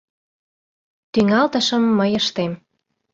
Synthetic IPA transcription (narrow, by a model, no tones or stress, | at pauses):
t̪yŋɑlt̪əʃə̆mːəjəʃt̪em